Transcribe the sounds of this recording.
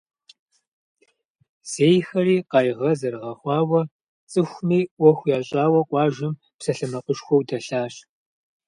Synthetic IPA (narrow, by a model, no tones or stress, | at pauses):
z̥eːjxɐriːqɑːjʁɐzɐɾʁɐχʷɑːwɐ | t͡sʼɨxʷmiːwɔxʷjaːɕʼaːwɐqʷʼɑːʒɪm | psɐɬɨmɐqəʃxʷɔwdɐɬaːɕ